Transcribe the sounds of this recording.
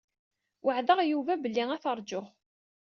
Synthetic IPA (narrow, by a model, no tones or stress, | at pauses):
wəʕðəʁjuvæbəlːiŋæθəɾˤd͡ʒʊʁ